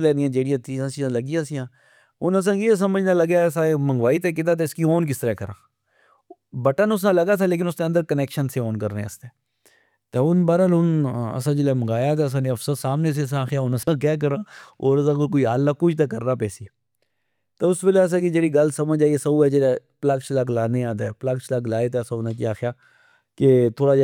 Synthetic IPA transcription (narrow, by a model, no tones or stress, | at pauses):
lɛːnɪjãːd͡ʒeːɽɪjãːt̪ʰiːãːt͡ʃiãːləɡɪjãːsɪjãː | ʊnəs̬ãːkeːs̬əməd͡ʒnãːləɡaːsãːemə̃ŋɡʋaːiːt̪eːk̬ɪt̪ãːt̪̬eːɪskiːoːnk̬ɪst̪əɾɛːkəɾã̰ː | bəʈənʊs̬nãːləɡaːt̪ʰaːleːk̬ɪnʊsnẽənd̪əɾkəneːkʃənseːɔːnkəɾnɛ̰̃ːɪst̪eː | t̪eːʊnbaːɾəlɦʊnə̰sãːd͡ʒɪleːməɡaːjaːt̪ɛːəs̬ãːneɐfsət̪saːmneːs̬esãːxɪjaːʊnəsãːk̬ɛːk̬əɾãːoːɾsãːkok̬oːiɦaːlːaːkʊt͡ʃt̪̬eːkəɾnaːpɛːsiː | t̪eʊsbɪles̬ãkid͡ʒeːɽiːɡəlsəməd͡ʒaːiesəbuːɛːd͡ʒelaːplakʃlaklaːnẽãːd̪aɛplakʃlaːklaːet̪ɛːsãʊnãːkiaːxjaː | ket̪ʰoːɽaːd͡ʒ